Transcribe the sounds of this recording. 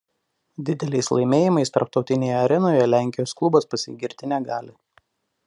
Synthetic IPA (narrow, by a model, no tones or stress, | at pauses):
d̪ʲɪd̪ʲɛlʲɛɪslˠɐɪmʲeːjɪmɐɪst̪ɐ̰ɾpt̪ɒʊt̪ʲɪnʲeːjoɐɾʲɛnoːjɛlʲæˑŋʲkʲɪjoːsklˠʊbospɐsʲɪ̰ɡʲɪɾʲt̪ʲɪnʲɛɡɑːlʲɪ